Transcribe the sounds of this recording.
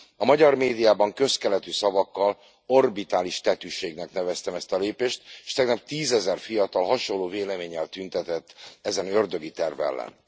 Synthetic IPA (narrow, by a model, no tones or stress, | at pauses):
ɒmɒɟɒrmeːd̪ijaːbɒŋkø̞skɛlɛt̪ysɒvɒkːɒl | o̞rbit̪aːliʃt̪ɛt̪yːʃeːɡnɛknɛvɛst̪ɛmɛst̪ɒleːpeːʃt̪e̥ʃt̪ɛɡnɒp̚t̪iːzɛzɛrfijɒt̪ɒlɦɒʃo̞lːoːveːlɛmeːɲːɛlt̪ynt̪ɛt̪ɛt̪ːɛzɛnø̞rd̪ø̞ɡit̪ɛrvɛ̰lːɛ̰n